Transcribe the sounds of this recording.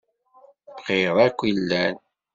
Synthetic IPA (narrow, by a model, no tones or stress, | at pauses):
bqiðˤækʷːilːæn